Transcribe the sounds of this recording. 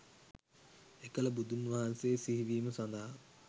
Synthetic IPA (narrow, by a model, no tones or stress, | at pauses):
ekələbud̪unʋaɦanseːsiɦiʋiːməsand̪aɦa